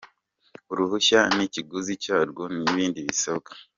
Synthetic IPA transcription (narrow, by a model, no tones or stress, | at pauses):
uɾuhuʃaniciɡuzicaːɾɡoniβiːndiβisokḁ